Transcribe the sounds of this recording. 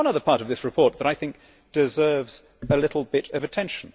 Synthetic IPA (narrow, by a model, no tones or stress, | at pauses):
ʌ̃nʌðə˞pʰɑɹɾʌvðɪsɹɨpʰɔɹt̪̚ðəɾaɪθɪ̃ŋk̚ | d̥ɨzɜ˞vz̥ | əlɪɾl̩ˠbɪɾʌvɨtʰɛ̃nʃn̩